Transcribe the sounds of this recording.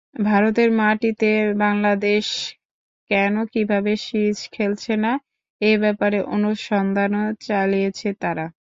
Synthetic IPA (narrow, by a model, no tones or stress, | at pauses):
bʱaɾot̪̬eɾmaʈit̪ebaŋlad̪eʃ | kɛnokibʱabeʃit͡ɕkʰelt͡ɕʰena | ebɛpaɾeʔonoʃɔnd̪ʱanot͡ɕalijet͡ɕʰet̪aɾa